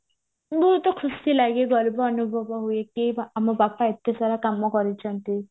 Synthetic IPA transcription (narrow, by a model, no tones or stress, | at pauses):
buɾut̪ɔkʰusilaɡeɡɔlbɔːnubʱɔbɔɦuekiamɔbapaet̪ːasaɾakamːɔkɔɾit͡ʃʰant̪i